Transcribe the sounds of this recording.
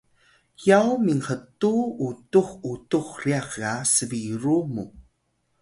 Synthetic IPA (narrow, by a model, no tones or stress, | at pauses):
jawmiŋχətuutuχutuχriaχɣasəviɾumu